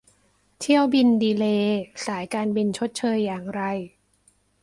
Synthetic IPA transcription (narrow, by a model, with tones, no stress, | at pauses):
t̪ʰi˥˩əwbi˧ndiː˧leː˧saː˩˦jkaː˧nbi˧nt͡ɕʰo˦˥t̪̚t͡ɕʰɤː˧jːaː˨˩ŋɾa˧j